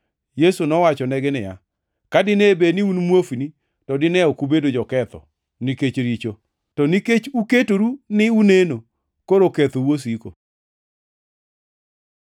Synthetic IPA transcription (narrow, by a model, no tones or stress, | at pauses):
jesunɔwat͡ʃɔnɛɡɪnɪja̰ | kadɪnebenɪunmwofini | tɔdɪnɛɔkubedod͡ʒɔkɛt̪ɔ̰ | niket͡ʃɾit͡ʃo | tɔniket͡ʃuketoɾunɪuneno | koɾoket̪owos̬iko̰